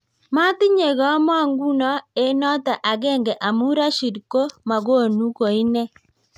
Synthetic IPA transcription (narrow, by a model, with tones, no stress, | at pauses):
ma˦tɪ˦ɲe˨ɣɔ˦mɔ˦ŋɡu˦nɔ˦e˦nɔ˦ta˨ʔa˨ɡɛ˦ŋɡɛ˨ʔa˨mu˦ɾa˦ʃi˨dko˦ma˨ɡo˦˨nu˦ko˨i˦nɛ˦